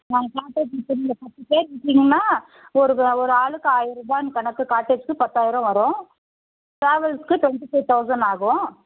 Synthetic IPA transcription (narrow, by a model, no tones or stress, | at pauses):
naːŋɡɐkaːʈːeːd͡ʒɪtːɐnɪlɐpɐt̪ːɯpeːɾkɪʈːiːŋɡɐnːaː | ɔɾɯɔɾɯaːɭɯkːɯaːjɪɾɯbaːnɯkɐnɐkːɯkaːʈːed͡ʒ̥kɯpɐt̪ːaːjɪɾɔ̃ʋɐɾõ | ʈɾaːʋɐlskɯʈʋɛɳʈifoːt̪ːɐʊsɐɳɖaːɣʊ̃